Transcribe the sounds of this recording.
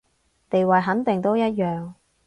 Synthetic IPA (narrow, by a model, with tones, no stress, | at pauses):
t̪e˨jwɐ˨˩jɦɐ˨˥nt̪ɪ˨ŋt̪o˥wjɐ˥t̚jœː˨ŋ